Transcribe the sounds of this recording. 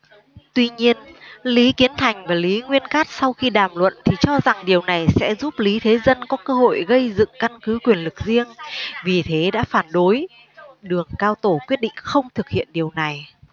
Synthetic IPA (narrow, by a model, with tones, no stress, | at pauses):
t̪wi˧ɲi˧ənli˨˦ki˨˦ənt̪ʰa˨˩jŋ̟vaː˨˩li˨˦ŋwi˧ənkaː˦˥t̚sa˧wxi˧ɗaː˨˩mlwə̰˧˨nt̪ʰi˨˩t͡ɕɔ˧za˨˩ŋɗi˨˩əwna˨˩jsɛ̰˧˥zu˦˥p̚li˨˦t̪ʰe˨˦zə˧nkɔ˨˦kəː˧ɦo̰˧˨jɣə˧jzɨ̰˧˨ŋka˧nkɨ˨˦kwi˨˩ənlɨ˨˩k̚zi˧əŋvi˨˩t̪ʰe˨˦ɗa̰ː˧˥faː˧˩nɗo˨˦j | ɗɨ˨˩əŋkaː˧wt̪o˧˩kwi˦˥ət̚ɗḭ˧˨ŋ̟xə˧wŋ͡mt̪ʰɨ˨˩k̚hḭ˧˨ənɗi˨˩əwna˨˩j